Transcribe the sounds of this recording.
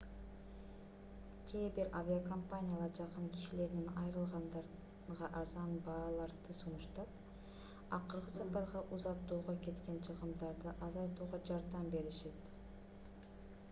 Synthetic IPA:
kʲʰebɪɾʔavʲiakʰompanʲijalˠɑɾd͡ʒɑqənkʲʰi̥ʃile̞ɾnɪnɑjɾɯlˠʁɑnd̪ɑɾ | ʁɑʔɑzɑnbɑlˠɑɾd̪əsunʊʃt̪ɑp̚ | ɑqəɾʁəsɑpɑɾʁɑʔuzɑt̪ːuːʁɑkʲʰe̞t̪kʲe̞nt͡ʃʰəʁəmd̪ɑɾd̪əʔɑzɑjt̪uːʁɑd͡ʒɑɾd̪ɑmbe̞ɾɪʃe̞t̪

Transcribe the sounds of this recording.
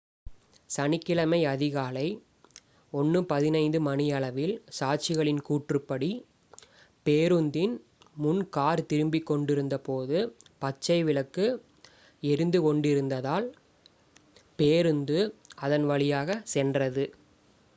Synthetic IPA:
sɐnɪkːɪɭɐmɐɪɐðɪɣaːlɐɪ | ɔnːɯpɐðɪnɐɪnd̪ɯmɐnɪjɐɭɐʋɪlsaːʈ̚t͡ʃɪɣɐɭɪnkuːʈrɯpːɐɽi | peːɾɯnd̪ɪn | mʊnkaːɾt̪ɪɾɯmbɪkːɔɳɖɪɾɯnd̪ɐpoːðɯpɐt͡ʃːɐɪʋɪɭɐkːɯ | ɛɾɯnd̪ɯkɔɳɖɪɾɯnd̪ɐðaːl | peːɾɯnd̪ɯɐðɐnʋɐɭɪjaːɣɐsɛndrɐðɯ

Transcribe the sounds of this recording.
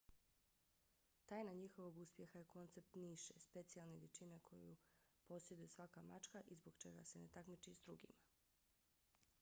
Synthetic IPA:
t̪aːjnaɲixo̞ʋo̞ɡuspje̞xaje̞ko̞nt̪se̞p̚t̪niʃespe̞t̪sijalˠneʋjet͡ʃinekʰo̞jṵpo̞sjed̪ujesʋakamat͡ʃkaʔizboɡt͡ʃe̞̰ɡa̰se̞net̪akmit͡ʃizd̪ɾuɡḭma

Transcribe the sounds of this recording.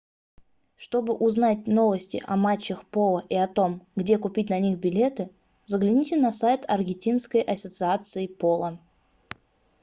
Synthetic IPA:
ʂt̪o̞bɨʔʊznatʲno̞vəsʲtʲɪ̰ʔɐmat͡ɕːəxpolˠəʔiɐt̪o̞mɡdʲe̞kʊpʲit̚ʲnɐnʲixbʲɪlʲe̞t̪ɨ | vzəɡlʲɪnʲitʲɪnɐsajt̪ʰɐrɡʲɪnʲtʲinskəjʔɐsʲət̪sɨat̪sɨɪpolˠə

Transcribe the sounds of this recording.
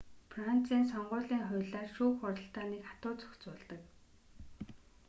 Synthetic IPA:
fran̥t͡siːnsɔɴɢʊːɮiːŋχʊ̟ɮaːrʃuːxʊɾə̆ɬt̪aːnekχḁt̪ʊːt͡sɵ̥xt͡sʊːɮt̪ə̆k

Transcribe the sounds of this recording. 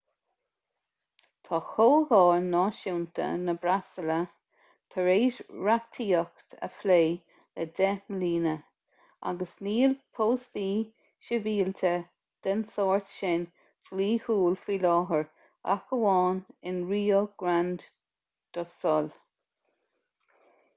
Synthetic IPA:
t̪ʰɑːxoːhɑːɹnɑːʃuwnt̪ʰə̰nəbɾasələ | t̪ʰəɹeːʃɹat̪ʰiːɔkt̪ʰə̰fleː | ləd̪ɛməliːnə | a̰ɡəsniːlpʰoːst̪iː | ʃəviːlt̪ʰə | d̪̥ənsɔːɹt̪ʃɪn | fliːhuːlfilɑːɦəɹ | a̰kəwɑːnɪnɹiːoɡ̥ɾand̪ | d̪̥ɔsɔl

